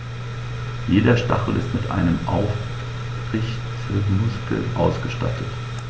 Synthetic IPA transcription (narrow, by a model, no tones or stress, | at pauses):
jeːdɐʃta̰χl̩ʔɪ̰stmɪtʔa̰ɪnəmʔaʊf | ɪç | t͡smʊskʰl̩ʔaʊsɡ̥əʃta̰tʰət